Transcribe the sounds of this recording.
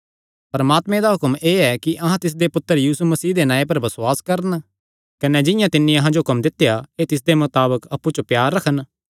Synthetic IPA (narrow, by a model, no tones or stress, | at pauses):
pɐɾɐmaːt̪mẽd̪aɦʊkəmeːɛkiʔɐɦãt̪ɪs̬d̪epʊt̪ːəɾjiːsumɐsiːd̪enãːẽp̬ɐɾbɐsʊaːskɐɾən | kɐnɛd͡ʒɪ̃jãt̪ɪnːĩɐɦãd͡ʒoɦʊkɐmd̪ɪt̪ːejaet̪ɪs̬d̪emʊt̪aːbəkɐpːut͡ʃopjaːɾːɐkʰən